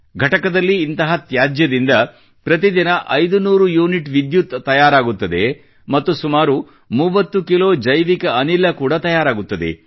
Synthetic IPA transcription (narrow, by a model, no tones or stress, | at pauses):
ɡʱɐʈɐkɐd̪ɐlːiːnt̪ɐɦɐt̪jaːd͡ʒjɐd̪ind̪ɐ | pɾɐt̪id̪inɐʔɐjd̪unuːɾujuːniʈʋid̪jut̪ːɐjaːɾaːɡut̪ːɐd̪e̞̰ | mɐt̪ːusumaːɾu | muʋɐt̪ːukilo̞ːd͡ʒɐjʋikɐɐnilːɐkuːɽɐt̪ɐjaːɾaːɡut̪ːɐd̪e̞̰